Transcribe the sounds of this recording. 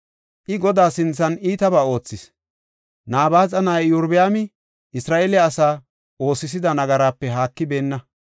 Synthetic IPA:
ʔɪɡɔd̪aːsɪnt͡sːɐniːt̪ɐbaːo̞ːt͡sːɪs | naːbaːt͡sʼɐnaːjjʊɾbɪjaːmɪ | ʔɪsɾaːʔeːlɪːsaː | o̞ːsɪs̬ɪd̪ɐnɐɡɐɾaːpːɛɦaːkːɪbe̞ːnːɐ

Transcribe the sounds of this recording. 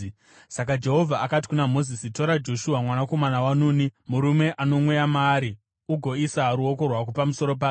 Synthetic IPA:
sak̬ad͡ʒe̞ɦo̞vʱaakati̥kunamo̞zisito̞ɾad͡ʒo̞ʃuɦamwanako̞manawanuːnimuɾume̞ʔano̞mwejamaːɾi | uɡʱo̞isaɾuoko̞rwak̬upamuso̞ɾo̞p̬aː

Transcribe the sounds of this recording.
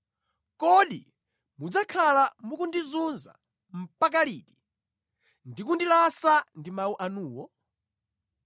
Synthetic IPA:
kɔɗḭ | mud͡zakʰalamukundizunza̰ | m̩pak̬aliːti̥ | ndikundilasandimauʔanuːwɔ

